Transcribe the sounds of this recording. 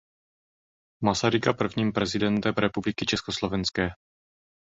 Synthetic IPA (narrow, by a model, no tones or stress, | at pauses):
masaɾɪkapr̩vɲiːmpɾɛzɪdɛnt̪ɛmɾɛpublɪkɪt͡ʃɛskoslo̞vɛnskɛː